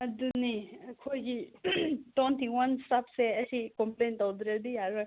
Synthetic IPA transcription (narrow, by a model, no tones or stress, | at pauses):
ɐd̪unikʰojɡi | tɔnt̪ʰiŋwanstapseɐsikɔmplent̪ɔwd̪ɾed̪ijaɾɯ